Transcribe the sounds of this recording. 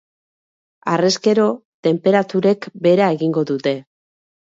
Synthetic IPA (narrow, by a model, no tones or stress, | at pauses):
a̰reske̞ɾo̞t̪e̞mpe̞ɾat̪uɾe̞kbe̞ɾae̞ɣiŋɡo̞ðut̪e̞